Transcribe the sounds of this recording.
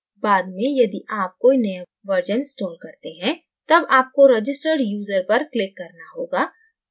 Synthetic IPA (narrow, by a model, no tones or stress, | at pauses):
baːd̪mẽjɐd̪iʔaːp̚koːinɐja | ʋəɾd͡ʒənsʈɔːlkɐɾt̪eɦɛ̃ | t̪ɐbaːp̚koɾɐd͡ʒɪsʈəɾɖjuːzəɾpɐɾklɪkːɐɾnaɦoːɡaː